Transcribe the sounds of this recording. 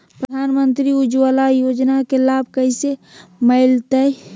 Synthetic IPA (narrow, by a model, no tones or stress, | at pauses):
pɾəd̪ʱaːnmənt̪ɾiud͡ʒʋəlajoːd͡ʒnakelabʱkəɪseməɪlt̪ə